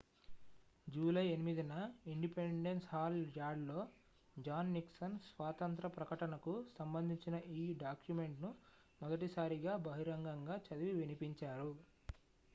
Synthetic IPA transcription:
d͡ʒuːlɐjenimid̪inɐiɳɖipeɳɖenshaːld͡ʒaːɖlo̞ː | d͡ʒaːnːiksɐnsʋaːt̪ɐnt̪ɾɐpɾɐkɐʈɐnɐkusɐmbɐnd̪ʱiɲt͡ʃinɐʔiːɖaːkjume̞ɳʈnu | mɐɡɐʈisaːɾiɡaːbɐɦiɾɐŋɡɐŋɡaːt͡ʃɐd̪iʋiʋinipiɲt͡ʃaːɾu

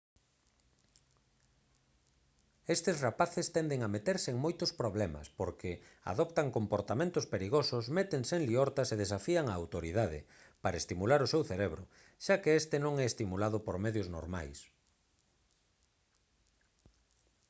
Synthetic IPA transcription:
est̪esrapaθest̪ɛnd̪eŋamet̪eɾseeŋmojt̪ʊspɾoβlɛmɐ̰spoɾkɪa̰ðɔpt̪aŋkompoɾt̪amẽnt̪ʊspeɾiɣosʊsmɛt̪eŋseŋliɔɾt̪aseðesafiaŋaːwt̪oɾiðaðɪ̰ | paɾaest̪imulaɾʊsewθeɾeβɾʊ | ʃakeest̪ɪnõŋɛest̪imulað̞ʊpoɾmeðjʊzno̰ɾma̰js

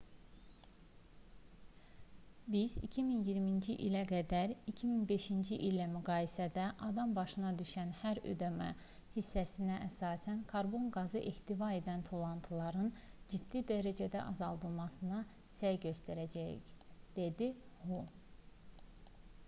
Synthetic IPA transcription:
bizḭcʰiminjiɾmind͡ʒiʔilæɡæd̪æɾicʰiminbe̞ʃind͡ʒiʔilːæmyɡɑːjisæd̪æʔɑd̪ɑmbɑʃɯnɑd̪yʃænhæɾø̰d̪æmæ | hisːæsinæʔæsɑːsænkʰɑɾbo̞nɡɑzɯʔeht̪ivɑe̞d̪ænt̪ʰo̞lˠɑnt̪ʰɯlˠɑɾɯnd͡ʒid̪̥ːid̪æɾæd͡ʒæd̪æ̰ʔɑzɑlˠd̪ɯlˠmɑsɯnɑ | sæjɟø̞st̪æɾæd͡ʒæjḭcd̪̥e̞d̪ihu

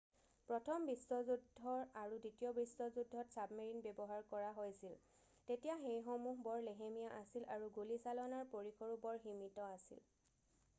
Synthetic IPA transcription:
pɹɔtʰɔmbistɔzudʱɔɹaɹuditijɔbistɔzudʱːɔtsabmeɹinbɛbɔɦaɹkɔɹaɦojsil | tetijaxejxomuɦbɔɹleɦemijaʔasilʔaɹuɡulisalɔnaɹpoɹikʰɔɹubɔɹximitɔasḭl

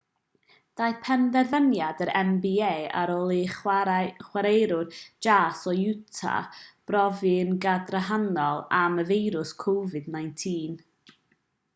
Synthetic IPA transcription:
d̥ajpʰɛnðɛrvənjadəɾɛmbieːa̰ɾɔːlˠiχχwaɾejɾʊrd͡ʒaːsɔjutʰa̰b̥rɔvɨnɡadrəɦanɔlˠaməvejɾʊskʰowvɨdnajntʰiːn

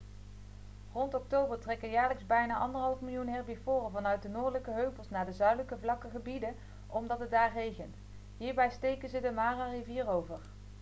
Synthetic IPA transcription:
rɔntɔk̚towbəɹtrɛkənjaːɹləkzbɛjnaːʔɑndəɹɦɑlˠfmɪlˠjunɦɛɹbifʊːrəvɑnœɥt̚dənʊːɹdələkəɦøɥplˠsnaːdəzœɥdələkəvlɑkəχəbidə | ʔɔmdɑtɦət̚daːɹrejχənt | ɦiːɹbɛjstejkənzədəmaːrariviːrowvəɹ

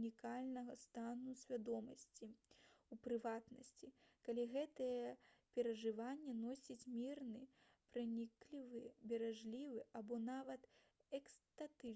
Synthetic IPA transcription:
nʲikalʲnɐɣɐst̪anusʲvʲad̪ɔmɐsʲt͡sʲiupɾɨvat̪nɐsʲt͡sʲikalʲiɣɛt̪ɐjɛpʲɛɾɐʐɨvanʲːɛnɔsʲit͡sʲmʲirnɨ | pɾɨnʲiklʲivɨbʲɛɾaʐlʲivɨʔabɔnavɐt̪ | ɛkst̪at̪ɨ

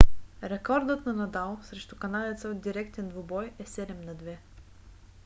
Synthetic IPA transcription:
ɾɛkɔɾd̪ɤt̪nɐnɐd̪alˠsɾɛʃt̪ukɐnad̪ɛt̪səd̪iɾɛkt̪ɛnd̪vʊbɔjɛsɛd̪ɛmnɐd̪vɛ

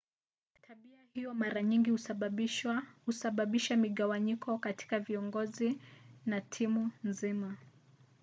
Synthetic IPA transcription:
tʰaɓiahijɔmaɾaɲiŋɡi | husaɓaɓiʃamiɠawaɲikɔkati̥kaviɔŋɡɔzinatʰimunzima

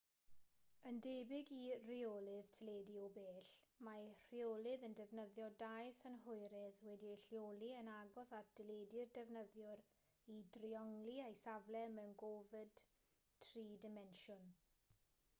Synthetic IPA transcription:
əndebɪɡiriolˠɪð̥tʰəleːdiɔbeːɬmar̥iolˠɪðəndɛvnəðjɔdajsənɦʊjɾɪðwɛdiɬjolˠiənaɡɔsatd̥ɪledɪrdɛvnəðjɔɾ | idriɔŋliajsavlɛmɛwnɡɔvɪd̥ | tʰriːdɪmɛnʃʊn

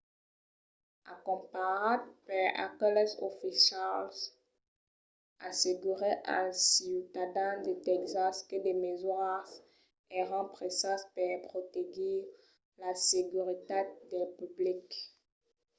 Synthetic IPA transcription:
a̰kɔ̃paʁadpaʁa̰kɔlɛso̰fiʃals | aseɡyʁeʔa̰siut̪ad̪ãd̪et̪ɛkzaskəd̪emezwas | ɛʁɑ̃pχesaspɛpχot̪eɡi | laseɡyʁit̪ed̪ɛpyblik

